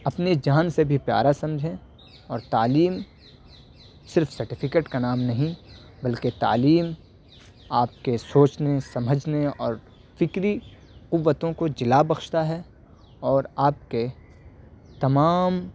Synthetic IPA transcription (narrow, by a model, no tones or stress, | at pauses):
ɐpned͡ʒaːnsebʱipja̰ːɾasɐ̃md͡ʒʱẽ | ɔːɾt̪aːliːm | sɪɾfsɐɾʈɪfʰɪkeːʈkanaːmnɐɦĩ | bɐlket̪a̰ːliːm | aːp̚kesoːt͡ʃnesɐməd͡ʒʱneɔːɾ | fɪkɾi | qʊʋːət̪õkod͡ʒɪlabɐxʃt̪aɦɛ | ɔːɾaːp̚ke | t̪ɐmaːm